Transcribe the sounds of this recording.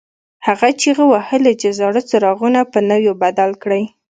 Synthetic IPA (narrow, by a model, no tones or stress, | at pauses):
haɣat͡ʃeɣəwahəlad͡ʒazɑɾat͡saɾɑɣunapənəwjobad̪alkɽəj